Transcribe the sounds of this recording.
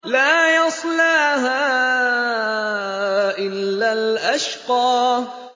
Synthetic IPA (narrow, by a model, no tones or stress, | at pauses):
laːjɑsˤlaːɦaː | ʔɪlːalʔaʃqɑː